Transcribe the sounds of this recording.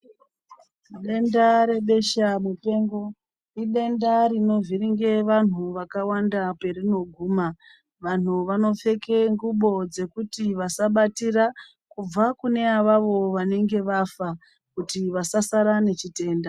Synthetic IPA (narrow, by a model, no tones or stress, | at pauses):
ɗe̞ndaɾe̞ɓe̞ʃamupe̞ːŋɡo̞ | iɗe̞ndaɾino̞viɾiŋɡe̞ʋan̤uʋakawandape̞rino̞ɡʱuːma | ʋan̤uʋano̞p͡fe̞ke̞ŋɡuɓo̞d͡ze̞kutiʋasaɓatira | kub͡vakune̞aʋaʋo̞ʋane̞ŋɡe̞ʋafa | kutiʋasasaɾane̞t͡ʃite̞ːnda